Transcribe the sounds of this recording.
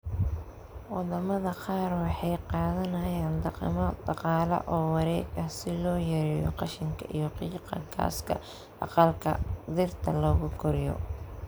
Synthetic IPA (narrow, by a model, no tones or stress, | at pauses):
wɑdɐmɐðɐqɑːrwɑħɑjqɑːðɐnɐjaːnd̪ɑqɪ̰mɐd̪ɑqɑːlɐ̰ʔɔːwɑɾɛːɡɐsɪlɔːjɐɾɛjɔ̰qɑʃɪŋkʰɐʔijɔqiːqɑkʰa̰ːskʰɐ̰ | ʔɑ̰qɑlkʰɐ̰d̪ɪrt̪ʰɐlɔːɣʊɡʰɔɾɪjɔ̰